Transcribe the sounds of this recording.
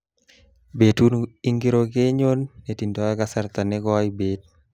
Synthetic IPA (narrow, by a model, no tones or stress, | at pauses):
betuniŋɡiɾokeɲonːetindɔkasaɾt̪anɛkɔibet̚